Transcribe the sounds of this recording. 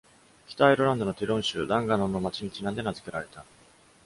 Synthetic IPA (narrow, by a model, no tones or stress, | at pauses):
kʲi̥t̪aiɾoɾãnd̪o̞no̞t̪eɾõ̞ɰ̃ɕɨːd̪ãŋɡanõ̞nːo̞mat͡ɕiɲ̟it͡ɕinãnd̪e̞nazɨ̥ke̞ɾaɾe̞t̪a